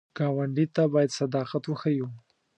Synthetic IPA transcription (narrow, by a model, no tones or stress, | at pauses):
ɡ̥ɑwaɳɖit̪abɑjad̪sad̪ɑqat̪wəxaju